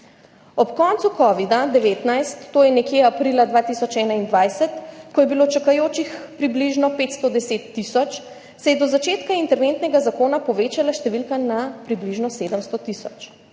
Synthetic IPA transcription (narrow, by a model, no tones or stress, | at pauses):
ɔpkɔnt̪sukɔːʋid̪ad̪ɛʋeːt̪najst̪ːoːjɛnɛkjeapɾilad̪ʋaːt̪isɔt͡ʃɛːnaind̪ʋajsɛt̪kɔjɛbilot͡ʃakajoːt͡ʃixpɾibliʒnɔpeːt̪st̪ɔd̪ɛseːt̪ːisɔt͡ʃ | sɛjɛd̪ɔzat͡ʃeːt̪kaint̪ɛɾʋent̪nɛɡazakoːnapɔʋeːt͡ʃalaʃt̪ɛʋilkanapɾibliʒnɔseːd̪əmst̪ɔt̪isɔ̰t͡ʃ